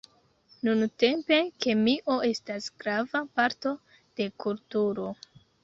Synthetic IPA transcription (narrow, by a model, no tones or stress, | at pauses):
nunte̞mpe̞ke̞miʔo̞e̞stasɡ̥ɾavapaɾto̞ | d̥e̞kultuɾo̞